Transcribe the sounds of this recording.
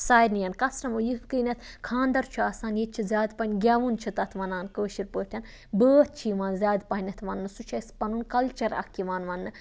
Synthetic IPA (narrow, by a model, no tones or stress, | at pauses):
saːjnijɐnkɐsɾɐmojibkɨːnʲɐt̪ʰkʰãːnd̪ɐɾt͡ʃʰuɐsaːnjet͡ʃʰizʲaːd̪pɐnʲɡʲaːʋunt͡ʃʰɐt̪ɐt̪ʰʋɐnaːnkəːʃiɾpəːt̪ʰʲɐn | bəːt̪̚t͡ʃʰiːʋaːnzʲaːd̪pɐɦnʲɐt̪ʰʋɐnːɨsut͡ʃʰɐspɐnunkɐlt͡ʃɐɾɐ̰kːiʋaːnʋɐnːɨ